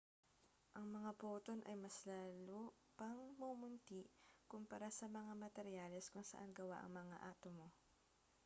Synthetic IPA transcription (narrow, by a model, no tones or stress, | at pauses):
ʔɐŋmɐŋapoːt̪o̞nʔɐjmɐslaːloː | pɐŋmomʊnt̪ikʊmpɐɾasɐmɐŋamɐt̪ɛɾjalɛskʊŋsɐ̰ʔanɡɐwa̰ʔɐ̰ŋmɐŋa̰ʔaːt̪omo̞